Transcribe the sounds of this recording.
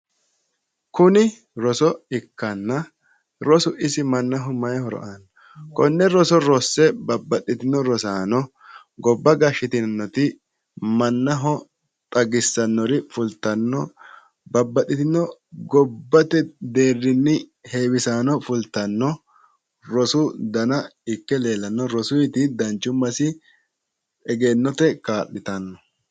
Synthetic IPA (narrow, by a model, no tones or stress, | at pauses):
kʊnɪ | ɾɔsɔɪkːɐnːɐ | ɾɔsʊʔɪsɪmɐnːɐɦɔmɐjhɔɾɔ̰ʔaːnɔ | kɔnːɛɾɔsɔɾɔsːɛbɐbːɐɗɪt̪ɪnːɔɾɔsaːnɔ | ɡɔbːɐɡɐʃːɪt̪ɪnnːɔt̪ɪ | mɐnːɐɦɔ | t̪ʼɐɡɪsːɐnːɔɾɪfʊlt̪ːɐnːɔ | bɐbːɐɗɪt̪ɪnːɔɡɔbːɐt̪ɛd̪eːrːɪnːɪheːwɪsaːnɔfʊlt̪ːɐnːɔ | ɾɔsʊd̪ɐnɐɪkːɛle̞ːlɐnːɔɾɔsʊjt̪ɪd̪ɐnt͡ʃːʊmːɐsɪ | ɛɡe̞ːnːɔt̪ɛkaːʔːɪt̪ɐnːɔ